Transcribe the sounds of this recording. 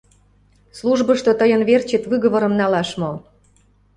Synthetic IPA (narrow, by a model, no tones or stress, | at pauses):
sluʒbəʃt̪ot̪əjənβert͡ɕet̪βɨɣə̆βə̆ɾə̆mnɑlɑʃmo